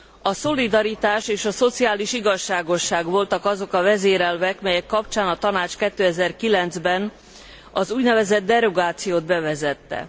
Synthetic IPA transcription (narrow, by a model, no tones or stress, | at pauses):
ɒso̞lid̪ɒɾit̪aːʃeːʃɒso̞t̪siaːliʃiɡɒʃːaːɡo̞ʃːaːɡʋo̞lt̪ɒkɒzo̞kɒvɛzeːɾɛlvɛkmɛjɛkːɒpt͡ʃaːnɒt̪ɒnaːt͡ʃkɛt̪ːøːɛzɛrkilɛnd̪zbɛn | ɒzuːɟnɛvɛzɛd̪ːɛɾo̞ɡaːt̪sijoːd̪bɛvɛzɛt̪ːɛ̰